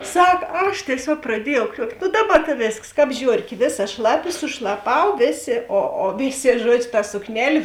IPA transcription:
ˈsɐk ˈɐʃ tʲiɛˈsʲuɔk prɐˈdʲiɛjɛʊ ˈkrʲuɔktʲ nʊ ˈdɑːˌbɐ tɐ ˈʋʲeːsks ˈkɑːp ˈʒʲoːrʲkʲeː ˈʋʲeːˌsɐ ˈʃlˠɑːˌpʲɪ sʊʃlˠɐˈpɐʊ ˈʋʲeːˌsʲeː oː oː ˈʋʲeːˌsʲeː ˈʒuɔd͡ʒʲʊ tɐ sʊkˈnʲæːlʲeː

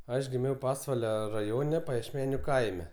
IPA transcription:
ˈɐʃ ɡʲɪˈmʲɛʊ ˈpɑːsʋɐlʲɛ rɐˈjoːnʲɛ pɐjiɛʃʲˈmʲæːnʲʊ ˈkɐɪmʲɛ

